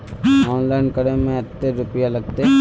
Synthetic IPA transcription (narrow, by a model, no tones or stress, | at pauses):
ɔːnlaːɪnkəɽemẽɐt̪ːeɾʊpijalɐɡ̚t̪e